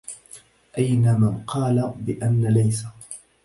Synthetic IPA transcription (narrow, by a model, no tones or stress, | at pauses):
ʔajnamanqɑːlabɪʔanːalajsa